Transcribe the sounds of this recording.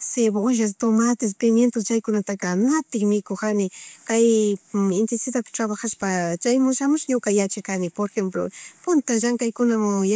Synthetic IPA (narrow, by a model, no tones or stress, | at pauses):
seβʃ̬as̬t̪omat̪ɪs̬pɪmjent̪ost͡ʃajkʊnat̪akanat̪ɪkmɪkoxanɪkajɪnt̪ɪnsɪðapɪ̥t̪ɾaβaxaspat͡ʃajmʊʃamʊʃjʊkajat͡ʃakanɪpoɾexemp̬lo̰pʊnt̪aʒaŋkajkʊnamʊ